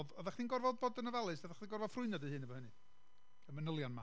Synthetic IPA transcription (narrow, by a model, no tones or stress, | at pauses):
ðɔðaχdinɡɔrvɔðbɔdənəvalˠɨsɔðaχdiɡɔrvɔðfrʊɨnjɔdɨhɨːnəvɔhənɨ | əmənəlˠjanma